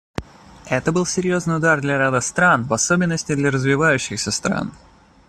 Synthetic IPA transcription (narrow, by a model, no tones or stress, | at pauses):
ɛt̪əbɨlˠsʲɪɾʲjo̞znɨjʊd̪ard̪lʲɐɾad̪əst̪ɾanvɐso̞bʲɪnːəsʲtʲɪd̪lʲɐɾəzvʲɪvajʉɕːɪxsʲəst̪ɾa̰n